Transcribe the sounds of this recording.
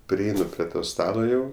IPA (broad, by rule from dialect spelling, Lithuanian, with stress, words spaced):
pʲrʲɪˈɛɪnʊ pʲrʲɪ ˈtoː ˈstɑːlˠoː jɛʊ